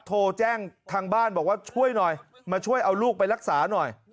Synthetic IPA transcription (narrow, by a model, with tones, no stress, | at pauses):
t̪ʰoː˧t͡ɕɛː˥˩ŋt̪ʰaː˧ŋbaː˥˩nbɔː˨˩k̚waː˥˩t͡ɕʰu˥˩əjnɔ˨˩j | maː˧t͡ɕʰu˥˩əjʔa˧wluː˥˩k̚pa˧jla˦˥k̚saː˩˦nɔ˨˩j